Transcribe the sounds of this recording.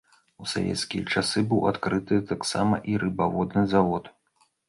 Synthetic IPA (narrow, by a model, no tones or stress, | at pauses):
usa̰vʲɛ̰t̪skʲijɐt͡ʂasɨbɨwat̪kɾɨt̪ɨt̪aksa̰mɐ̰ʔiɾʔɨbavɔd̪nɨzavɔt̪